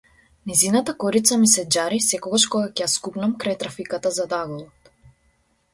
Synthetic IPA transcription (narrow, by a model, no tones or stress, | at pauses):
nɛzinat̪akɔɾit̪samisɛd͡ʒaɾisɛkɔɡaʃkɔɡakɛjaskupnamkɾajt̪ɾafikat̪azad̪aɡɔlˠɔt̪